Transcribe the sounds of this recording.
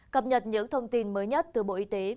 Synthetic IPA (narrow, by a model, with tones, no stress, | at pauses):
kə˨˩p̚ɲə˨˩t̚ɲɨ̰˧˥ŋt̪ʰə˧wŋ͡mt̪i˧nməː˨˦jɲə˦˥t̚t̪ɨ˨˩ɓo̰˧˨ʔi˨˦t̪e˨˦